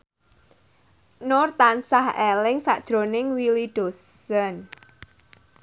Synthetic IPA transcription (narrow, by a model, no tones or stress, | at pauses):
nʊrt̪ansahɛlɪŋsa̰ʔd̥ʒ̥ɾonɪŋwiliɖ̥os | ən